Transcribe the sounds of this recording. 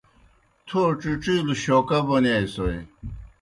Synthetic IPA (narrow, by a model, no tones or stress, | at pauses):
t̪ʰoʈ͡ʂiʈ͡ʂiːluɕoːkɐbonejsoj